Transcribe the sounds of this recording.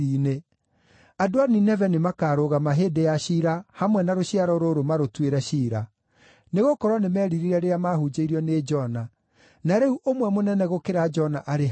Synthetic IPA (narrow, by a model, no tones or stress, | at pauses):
ine | adoaninɛvɛnimakaːɾoɣamaɦedejaɕiːɾahamwɛnaɾoɕiaɾɔɾoɾomaɾotweɾɛɕiɾa | neɣokɔɾwɔnemɛːɾiɾiɾɛɾeamahud͡ʒeiɾiɔned͡ʒɔna | naɾeuʔomwɛmonɛnɛɣokeɾad͡ʒɔnaʔaɾe